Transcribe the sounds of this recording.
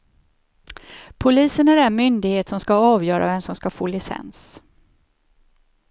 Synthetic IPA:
pʰʊliːsənæɾɛnmʏnd̪ɪɡheːt̪sɔmskaɑːvjœːɾʔa̰vɛnsɔmskafoːlɪsɛ̰ns

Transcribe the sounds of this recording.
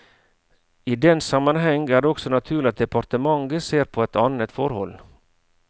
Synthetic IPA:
iːd̪ɛnsɑmɑnɦɛŋɡæːɖeːɔksɔnɑt̪ʰʉːɭɪɑt̪̚d̪ɛpʰɑɾt̪əmɑŋɡəseːɾpʰoːɛt̪ɑnət̪fɔɾhɔ̰l

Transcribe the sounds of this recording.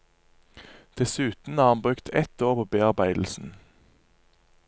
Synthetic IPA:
d̪̥ɛsʉːt̪n̩ɑːʁɑnbʁʉkt̪ʰɛt̪oːʁpʰoːbeːɑʁbæɪd̪l̩sn̩

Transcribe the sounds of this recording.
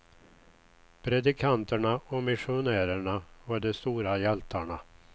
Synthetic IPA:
pʰɾɛd̪ɪkʰant̪əɳaʔɔmɪʂʊnæːɾəɳavaɖɛst̪uːɾajɛlt̪ʰaɳa

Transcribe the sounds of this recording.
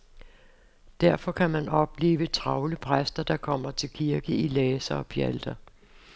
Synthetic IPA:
d̥æɐ̰fɒ̽kʰæmænɒ̽b̥le̝̰ːʋət͡sʰʁɑ̈ʊləpʰʁasd̥ɐd̥ɑ̈kʰɒ̽m̰ɐt͡sʰe̝lkʰiɐɡ̥əilɛːsɐɒ̽pʰjæld̥ɐ

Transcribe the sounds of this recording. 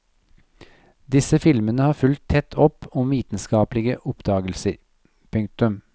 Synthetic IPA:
d̪ɪsəfɪlmənəhɑːɾfʉlt̪ʰɛt̪ʰɔpɔmʋiːt̪n̩skɑːplɪɡəʔɔpd̪ɑːɡəlsəɾ | pʰʉŋk̚t̪ʉm

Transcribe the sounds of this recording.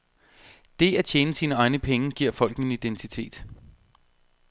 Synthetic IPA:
d̥e̝æt͡ɕʰjeːnəsiːnəɑ̈ɪnəpʰeŋəɡ̥iɐ̰fɒ̽l̰ɡ̥nən̩id̥ent͡sʰit͡sʰe̝̰ːd̥

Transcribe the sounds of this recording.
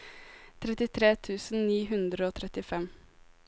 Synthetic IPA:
t̪ʰɾɛt̪ɪt̪ʰɾeːt̪ʰʉːsn̩niːɦʉnd̪ɾəoːt̪ʰɾɛt̪ɪfɛm

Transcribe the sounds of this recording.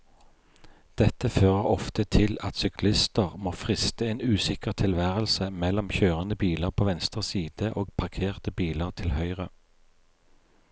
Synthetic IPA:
d̪̥ɛt̪əføːʁəʁɔft̪ət̪ʰɪlɑt̪sʏklɪst̪əʁmoːfʁɪst̪əeːnʉːsɪkəʁt̪ʰɪlʋæːʁəlsəmɛlɔmçøːʁənəbiːləʁpʰoːʋɛnst̪ʁəsiːd̪̥əʔoːɡpʰɑʁkʰeːʁt̪əbiːləʁt̪ʰɪlhœʏʁə

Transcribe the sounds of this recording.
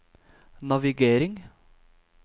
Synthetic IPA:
nɑʋɪɡeːɾɪŋ

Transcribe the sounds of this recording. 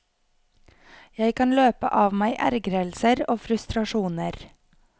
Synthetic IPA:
jæɪkʰɑnløːpə̰ʔɑːʋmæɪʔæ̰ɾɡɾɛlsəɾoːfɾʉst̪ɾɑʃuːnəɾ

